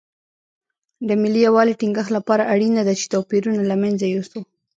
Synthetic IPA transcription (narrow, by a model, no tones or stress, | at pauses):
d̪əmɪlijawɑliʈiŋɡəxt̪lapɑɾaʔaɽinad̪at͡ʃe̥t̪awpiɾunalamanzajosu